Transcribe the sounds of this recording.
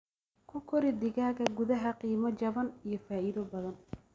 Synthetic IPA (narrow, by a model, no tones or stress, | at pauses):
kʰʊkʰɔɾɪd̪ɪɣaːɣɐɡʊðɐɦɐqiːmɐt͡ʃɐβɐnijɞfaːʔiðɔbɐðɐn